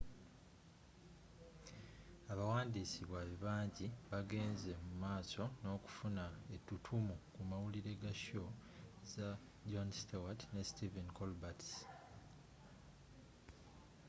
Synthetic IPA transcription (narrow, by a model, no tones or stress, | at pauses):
aβawaːndisiβwaβiβaːɲɟiβaɡe̞ːnze̞mumaːso̞no̞ːku̥funae̞tːutʰumukumawuliɾe̞ɡaʃo̞za | ɟonstowatne̞stivenkolbats